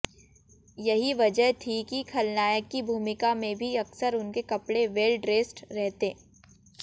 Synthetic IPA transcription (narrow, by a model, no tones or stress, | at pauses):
jɐɦiʋɐd͡ʒəɦt̪ʰikikʰɐlnaːjəkːibʱuːmɪkamẽbʱiɐksəɾʊnkekɐpɽeʋeːlɖɾeːsʈɾɛɦt̪ẽː